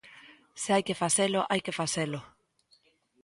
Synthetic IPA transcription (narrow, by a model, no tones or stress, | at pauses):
sɪajkefaselʊʔajkefaselʊ